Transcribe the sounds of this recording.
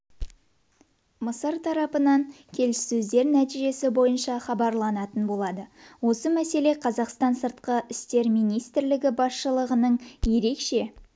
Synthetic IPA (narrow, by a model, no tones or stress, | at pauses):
məsəɾt̪ʰɑɾɑpənɑŋ | kʲʰe̞lɪsːɵzd̪e̞ɾnæt̪iʒe̞sɪbo̞jənʃɑχɑbɑɾlˠɑnɑt̪ənbo̞lˠɑd̪əwo̞səmæse̞le̞qʰɑzɑqst̪ɑnsəɾt̪̚qəɪst̪e̞ɾmijnijst̪ɾlɪɡʲɪbɑsʃəlˠəʁənəɴje̞ɾe̞kʃe̞